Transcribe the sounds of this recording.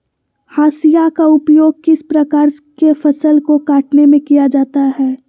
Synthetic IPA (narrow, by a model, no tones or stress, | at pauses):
haːsijakaʊpjoːɡ̚kɪspɾɐkaːɾkefɐsəlkokaːʈnemẽkijad͡ʒaːt̪aɦɛː